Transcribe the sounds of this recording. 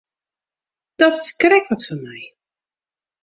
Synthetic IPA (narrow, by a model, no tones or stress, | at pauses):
d̥ɔtskrɛkʋɔtfɔnmɛj